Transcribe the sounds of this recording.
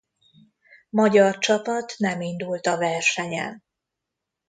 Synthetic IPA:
mɒɟɒrt͡ʃɒpɒt̪nɛmind̪ult̪ɒvɛrʃɛɲɛ̰n

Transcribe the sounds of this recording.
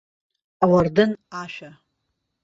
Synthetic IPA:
awardɨnaʃᶣa

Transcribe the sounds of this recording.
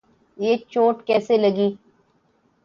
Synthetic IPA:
jeːt͡ʃoːʈkɛːselɐɡiː

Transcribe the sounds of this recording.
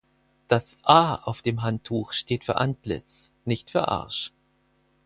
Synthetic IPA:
d̥asʔaːaʊfd̥eːmɦantʰːuːxʃteːtfyːɐʔantlɪ̰t͡s | nɪçtfyːɐʔa̰ɐʃ

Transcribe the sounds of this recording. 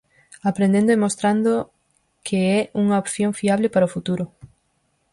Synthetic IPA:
apɾẽnd̪ẽnd̪oemost̪ɾand̪o | kʰeɛʔuŋɐopθjoŋfiaβlɪpaɾɐofut̪uɾʊ

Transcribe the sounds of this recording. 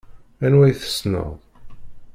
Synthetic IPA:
ænwæjθə̥snə̰ðˤ

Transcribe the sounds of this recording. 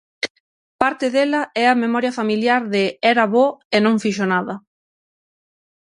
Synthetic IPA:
paɾt̪ɪðelɐɛɐmemɔɾjɐfamiljaɾðɪɛɾɐβɔenõŋfiʃonaðɐ

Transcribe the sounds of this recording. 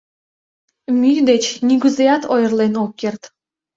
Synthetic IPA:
mʲyjd̪et͡ɕniɡʲyzejɑt̪ʰojrlˠenokʲːert̪

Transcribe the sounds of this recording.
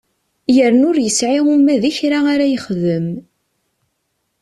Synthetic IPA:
jəɾnʊɾjəsʕiʁumæðiçɾaaɾæjəχðəm

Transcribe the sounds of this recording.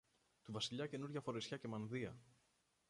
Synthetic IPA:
t̪uvɐsiʎɐce̞nuɾʝɐfo̞ɾesçɐce̞mɐnðiɐ̰

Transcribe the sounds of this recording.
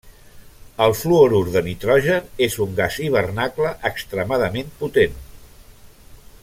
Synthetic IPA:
əlˠfluoɾuɾðənit̪ɾɔʒənezuŋɡaziβ̞ərnakləʔəkst̪ɾəmaðəmemput̪en

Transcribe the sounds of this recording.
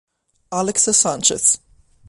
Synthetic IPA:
alɪksəsãnt͡ʃə̰θ

